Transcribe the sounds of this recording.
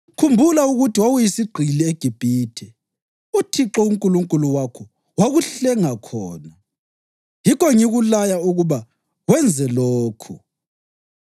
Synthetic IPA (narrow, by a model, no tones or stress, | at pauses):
kʰumbʱulauɣutʰiwawujisiɡ͡ǃʱilieɡ̥ʱib̥ʱiːtʰɛ | utʰiǁɔuŋkʼuluŋkʼuluwakʰɔ | waɣuɬɛŋakʰɔ̰ːna | jikɔŋiɣulajauɣuβa | wɛnd͡zʱɛloːkʰu